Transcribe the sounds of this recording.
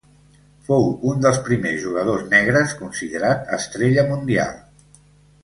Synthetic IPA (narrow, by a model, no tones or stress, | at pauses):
fowund̪əlˠspɾimezʒuɣəð̞oznɛɣ̞ɾəskunsiðəɾat̪ə̰st̪ɾeʎəmund̪ia̰lˠ